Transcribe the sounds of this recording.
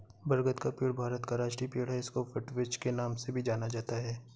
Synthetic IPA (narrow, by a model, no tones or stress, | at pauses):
bɐɾɡət̪kapiːɽbʱaːɾət̪kaɾaːʃʈipiːɽ̤aɪskofɪʈʋɪt͡ʃkenaːmsebʱid͡ʒaːnad͡ʒaːt̪aɦɛː